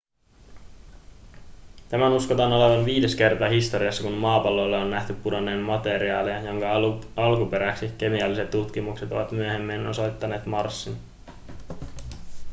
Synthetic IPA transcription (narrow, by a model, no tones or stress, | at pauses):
t̪æmænuskot̪ɑno̞le̞ʋɑnʋiːde̞ske̞rt̪ɑːɦist̪o̞ɾiɑsːɑkunmɑːpɑlːo̞lːeonːæht̪ypːudonːeːnmmɑt̪e̞ɾiɑːleɑjo̞ŋkɑɑlkupe̞ɾæksik̟e̞miɑlːise̞t̪ːut̪kimukse̞t̪o̞̰ʋɑt̪myøhe̞mːenosojt̪ːɑne̞ːt̪mɑrsːin